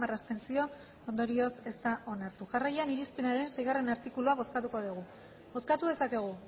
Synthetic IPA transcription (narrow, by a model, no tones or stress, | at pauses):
marast̪e̞nsio̞ | o̞nd̪o̞ɾio̞se̞st̪aʔo̞naɾt̪uʝarajaniɾispe̞naɾe̞nse̞jɣare̞naɾt̪ikuluaβ̞o̞skat̪uko̞ðuɣ̞u | bo̞skat̪uð̞e̞sake̞ɣ̞u